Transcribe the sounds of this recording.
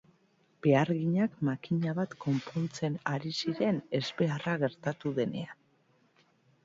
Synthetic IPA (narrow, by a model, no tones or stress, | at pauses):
b̥e̞aɾɣiɲakmakiɲaβat̪ko̞mpont͡se̞naɾisiɾe̞ne̞zbe̞araɣ̞e̞ɾt̪at̪uðe̞ne̞an